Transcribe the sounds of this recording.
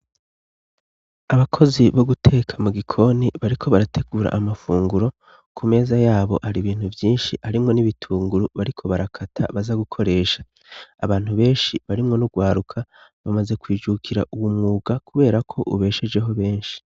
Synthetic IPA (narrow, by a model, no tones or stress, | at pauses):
aβakʰo̞ziβo̞ɡutʰe̞ːkʰamuɡikʰo̞niβaɾikʰo̞βaɾatʰe̞ɡuːɾa̰ʔːmafuːŋɡuɾo̞ | kʰume̞ːzajaːβo̞haɾiβiːn̥huvjiːnʃihaɾimŋo̞niβitʰuːŋɡuɾuβaɾikʰo̞βaɾakʰatʰa̰βazaɡukʰo̞ɾe̞ːʃḁ | aβaːn̥huβe̞ːnʃiβaɾimŋo̞nuɡwaːɾukʰaβamaze̞kwiːd͡ʒukʰiɾa̰ʔuwumŋuːɡakʰuβe̞ːɾakʰo̞ʔṵβe̞ːʃe̞d͡ʒe̞ɦo̞βe̞ːnʃi̥